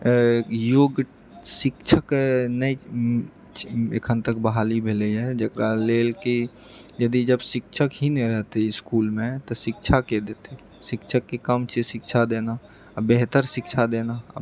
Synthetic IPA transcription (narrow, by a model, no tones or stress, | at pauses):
joːɡ | sɪkt͡ʃʰəknəi | ḛkʰənt̪ək̚bəɦaːlibʱeləɦɛd͡ʒəkɾaleːlki | jəd̪id͡ʒəbsɪkt͡ʃʰəkɦinɛɾɛɦt̪eɪskuːlmẽt̪ɔsɪkt͡ʃʰaked̪et̪e | sɪkt͡ʃʰəkːekəmt͡ʃʰesɪkt͡ʃʰad̪ena | beɦt̪əɾsɪkt͡ʃʰad̪ena̰